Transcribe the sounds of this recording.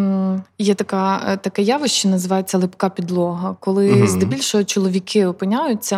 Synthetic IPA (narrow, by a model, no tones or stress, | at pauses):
jɛt̪ɐkɑt̪ɐkɛjɑʋʊʃt͡ʃinɐzɪʋɑjet͡sʲːɐlˠɪpkɑpʲid̪lˠɔɦɐkɔlˠɪzd̪ebʲilʲʃɔɦɔt͡ʃɔlˠɔʋʲikɪɔpɪnʲajʊt͡sʲːɐ